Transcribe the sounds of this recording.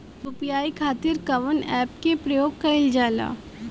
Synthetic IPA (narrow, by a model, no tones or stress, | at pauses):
ɾʊpjaːikʰaːt̪ɪɾkɐʋənɛːpkepɾɐjoːɡ̚kɐɪld͡ʒaːla̰ː